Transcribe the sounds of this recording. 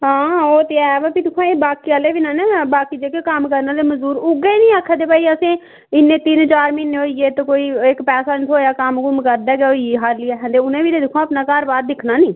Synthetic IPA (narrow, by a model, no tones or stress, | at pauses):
ɦãːoːt̪eːɛːʋaːpiːt̪ʊkʰãːeːbaːkiːaːleːʋɪnãːnɛːbaːkiːd͡ʒeːkekəmkəɾnãːd̪eːməzuːɾʊɡeːnĩːaːkʰːad̪eːpaːiːəsẽː | ɪnːẽːt̪ɪnt͡ʃaːɾmɪnːeoːiːɡeːt̪okoːiːɪkpɛːsaːnt̪ʰoːjaːkəmkʊmkəɾd̪ɛːɡɛːiɦaːɾlɪɛːɦɛ̃nd̪eːʊnẽːiːt̪eːd̪ɪkʰõːapnaːkaːɾbaːɾd̪ɪkʰnaːnĩː